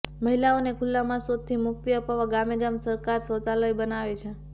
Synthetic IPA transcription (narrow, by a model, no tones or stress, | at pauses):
məɦilaonekʰʊlːamãsod̪̚t̪ʰːimʊk̚t̪iəpaʋaɡameɡamsəɾkaɾsət͡saləjbənaʋet͡ʃʰe